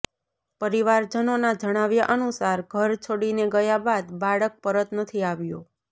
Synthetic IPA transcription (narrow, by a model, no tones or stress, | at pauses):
pəɾiʋaɾd͡ʒənonad͡ʒəɽ̃aʋjaʔənusaɾɡʱəɾt͡ʃʰoɽineɡəjabad̪baɭək̚pəɾət̪nət̪ʰiaʋjo